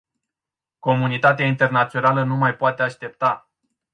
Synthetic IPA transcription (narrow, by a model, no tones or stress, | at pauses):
ko̞munit̪at̪̬eaint̪e̞rnat̪sio̞nalənumajpoat̪e̞aʃt̪e̞p̚t̪a